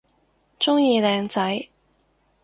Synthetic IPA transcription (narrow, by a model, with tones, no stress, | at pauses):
t͡sʊ˥ŋjiː˨˧lɛː˨ŋt͡sɐ˨˥j